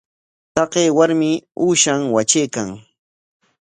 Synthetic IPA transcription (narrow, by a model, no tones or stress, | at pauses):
t̪ɑqeːwaɾmɪuːʃaŋwat͡ʃejkaŋ